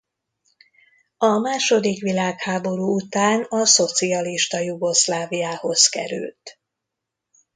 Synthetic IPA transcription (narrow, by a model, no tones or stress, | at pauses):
ɒmaːʃo̞d̪ikʋilaːkhaːbo̞ɾuːut̪aːnɒso̞t̪siɒliʃt̪ɒjuɡo̞slaːvijaːho̞zkɛ̰ɾy̰lt̪